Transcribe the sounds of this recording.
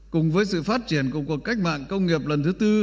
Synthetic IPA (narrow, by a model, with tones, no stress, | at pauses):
kʊ˨˩ŋ͡mvəː˨˦jsɨ̰˧˨faː˦˥t̚t͡ɕi˧˩ənkṵ˧˩əkəkːa˦˥k̟̚ma̰ː˧˨nkə˧wŋ͡mŋi˨˩əp̚lə˨˩nt̪ʰɨ˨˦t̪ɨ˧